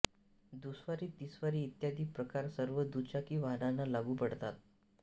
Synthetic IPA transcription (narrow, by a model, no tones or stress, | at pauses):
d̪usʋaɾiːt̪isʋaɾiːt̪jad̪ʱiːpɾəkaɾsəɾʋəd̪ut͡ɕakiːʋaɦnanːalaɡuːpəɽt̪at̪̚